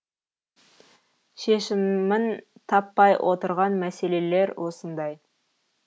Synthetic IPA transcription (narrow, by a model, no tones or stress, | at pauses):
ʃeʃɪmɪnt̪ʰɑpːɑjwʔo̞t̪əɾʁɑnmæse̞le̞le̞ɾwʔo̞sənd̪ɑj